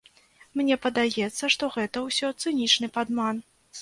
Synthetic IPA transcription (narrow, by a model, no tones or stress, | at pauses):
mnʲɛpɐd̪ajɛt̪sːɐʂt̪ɔɣɛt̪ɐwsʲɔt̪sɨnʲit͡ʂnɨpad̪man